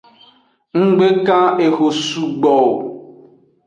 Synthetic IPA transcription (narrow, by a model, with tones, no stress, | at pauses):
ŋ̩˦ɡ͡be˦kã˦e˨ɣo˨su˨ɡ͡bɔ˨